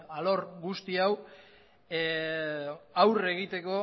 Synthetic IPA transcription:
alo̞ɾɡust̪iaw | awre̞ɣ̞it̪e̞ko̞

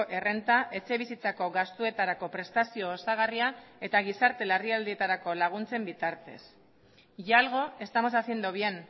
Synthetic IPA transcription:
ʔe̞re̞nt̪aʔe̞t͡ʃe̞β̞isit͡sako̞ɣast̪ue̞t̪aɾako̞pɾe̞st̪asio̞ːsaɣ̞ariae̞t̪aɣ̞isaɾt̪e̞lariald̪ie̞t̪aɾako̞laɣ̞unt͡se̞mbit̪aɾt̪e̞̰s | ʝaalɣ̞o̞e̞st̪amo̞sasie̞nd̪uβ̞ie̞n

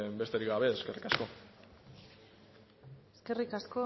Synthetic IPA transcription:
mbe̞st̪eɾiɡaβe̞ːske̞rikasko̞ | eske̞rikasko̞

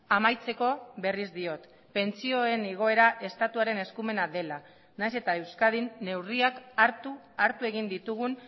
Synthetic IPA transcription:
amajt͡se̞ko̞βe̞rizd̪io̞t̪ | pe̞nt͡sio̞eniɣ̞o̞e̞ɾaʔe̞st̪at̪uaɾe̞ne̞skume̞naðe̞la | najse̞t̪ae̞wskað̞inːe̞wriakaɾt̪u | aɾt̪ue̞ɣ̞ind̪it̪uɣ̞un

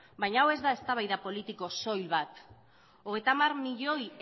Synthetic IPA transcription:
bajɲawe̞zðae̞st̪aβ̞ajðapo̞lit̪iko̞so̞jlβat̪ | oɣ̞e̞jt̪amaɾmiʎo̞j

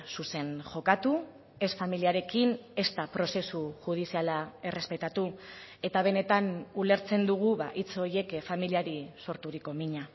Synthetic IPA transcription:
suse̞nʝo̞kat̪u | e̞sfamiliaɾe̞kine̞st̪apɾo̞se̞suxuð̞isialae̞re̞spe̞t̪at̪ue̞t̪aβ̞e̞ne̞t̪anule̞ɾt͡se̞nd̪uɣ̞uβaʔit͡so̞ɾje̞kfamiliaɾiso̞ɾt̪uɾiko̞miɲa

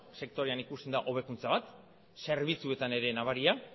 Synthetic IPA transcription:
se̞k̚t̪o̞ɾeanikust̪end̪aʔo̞β̞e̞kunt͡saβat̪ | se̞ɾβit͡sue̞t̪ane̞ɾe̞naβaɾia

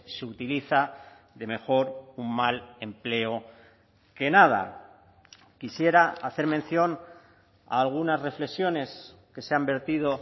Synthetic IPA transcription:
seut̪iliθa | ðe̞me̞xo̞ɾummale̞mple̞o | ke̞nað̞a̰ | kisje̞ɾaaθe̞ɾmenθjo̞n | a̰ːlɣ̞unazre̞fle̞ksjo̞ne̞s | ke̞seambe̞ɾt̪ið̞o̞

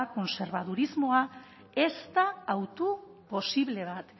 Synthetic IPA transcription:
ko̞nse̞ɾβaðuɾizmo̞a | e̞st̪aːwt̪u | po̞siβle̞β̞at̪

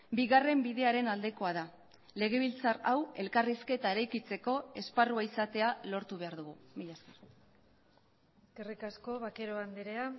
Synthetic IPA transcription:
biɣare̞mbiðe̞aɾe̞nald̪e̞ko̞aða | le̞ɣ̞e̞β̞ilt͡sarawe̞lkariske̞t̪ae̞ɾajkit͡se̞ko̞e̞sparuaisat̪e̞alo̞ɾt̪uβ̞e̞aɾðuɣ̞umiʎasker | eskerikasko̞βake̞ɾoand̪eɾea

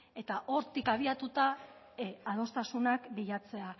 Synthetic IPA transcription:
e̞t̪aʔo̞ɾt̪ikaβ̞iat̪ut̪a | að̞o̞st̪asunakbiʎat͡se̞a

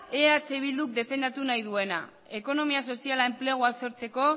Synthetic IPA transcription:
eat͡seβild̪uk̚d̪e̞fe̞nd̪at̪unajðue̞na̰ | e̞ko̞no̞miaso̞sialae̞mple̞ɣ̞uaso̞ɾt͡se̞ko̞

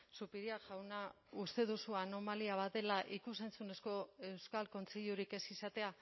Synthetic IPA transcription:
supiɾiaʝawna | ust̪e̞ð̞usuano̞maliaβ̞at̪e̞laʔikuse̞nt͡sune̞sko̞e̞wskalko̞nt͡seʎuɾike̞sisat̪e̞a

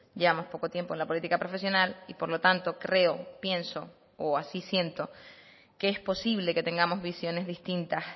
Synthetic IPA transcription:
ɟ͡ʝeβamo̞spo̞ko̞t̪je̞mpoenlapolit̪ikapɾo̞fe̞sjo̞nalipo̞ɾlo̞t̪ant̪o̞kɾe̞opje̞nso̞ | oasisje̞nt̪o̞ | keespo̞siβle̞ke̞t̪e̞ŋɡamo̞zβisjo̞ne̞zðist̪int̪as

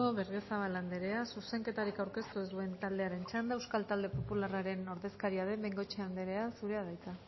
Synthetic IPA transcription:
o̞βe̞ɾɣesaβ̞aland̪eɾe̞asuse̞ŋke̞t̪aɾikawɾke̞st̪uzd̪ue̞nt̪ald̪e̞aɾe̞nt͡ʃand̪aewskalt̪ald̪e̞po̞pularaɾe̞no̞ɾðe̞skaɾiaðe̞mbeŋɡo̞t͡ʃeand̪eɾe̞asuɾe̞aðajt͡sa

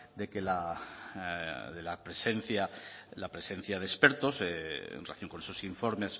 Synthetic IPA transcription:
d̪e̞kela | ðelapɾese̞nθjalapɾe̞se̞n̟θjað̞espe̞ɾt̪o̞sḛnrelaθjoŋko̞ne̞sosiɱfo̞ɾme̞s

